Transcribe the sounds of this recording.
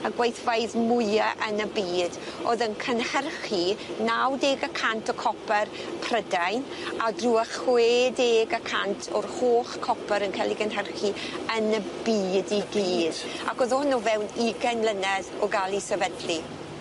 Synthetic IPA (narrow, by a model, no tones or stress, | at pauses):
aɡwajθvajðmʊjaʔənəbiːdoðənkʰənhɛrχinawdeːɡakʰantʰɔkʰɔpʰɛrpʰrədajn | adruːaχweːdeːɡakʰantʰɔrhoːχkʰɔpʰɛɾənkʰɛlˠiɡənɦɛrχiənəbiːdiɡiːda̰kɔðɔhənuvɛwniɡɛnlənɛðɔɡalˠisɛvədli